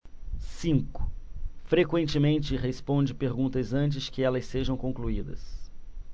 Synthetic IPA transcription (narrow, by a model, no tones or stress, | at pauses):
sĩŋkʊ̥fɾekwẽnt͡ʃɪmẽnt͡ʃɪɦespõd͡ʒɪpeɾɡũnt̪ɐzɐ̃nt͡ʃɪskɪɛlɐseʒɐ̃w̃kõkluid̪ɐ̰s